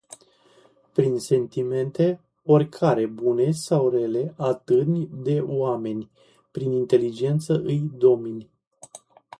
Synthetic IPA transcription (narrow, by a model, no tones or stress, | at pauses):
pɾinse̞nt̪ime̞nt̪e̞ | orʲkʰaɾe̞bune̞sawre̞le̞ʔat̪ɨnʲd̪e̞oame̞nʲ | pɾinint̪e̞lid͡ʒe̞nt̪səʔɨjd̪o̞minʲ